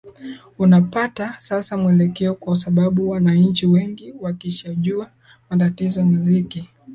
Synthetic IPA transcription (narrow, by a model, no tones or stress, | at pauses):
unapatasasamuɛlɛkɛɔkwas̬aɓaɓuwanaɲ̩t͡ʃiwɛŋɡiwakiʃaʄua | matatizɔjamuziki